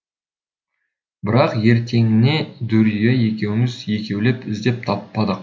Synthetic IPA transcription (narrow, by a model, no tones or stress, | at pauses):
bɪɾɑqje̞ɾt̪ʰe̞ŋɪne̞d̪ɵɾijeje̞kʲe̞wɪmɪzje̞kʲe̞wle̞pɪzd̪e̞p̚t̪ʰɑpːɑd̪əq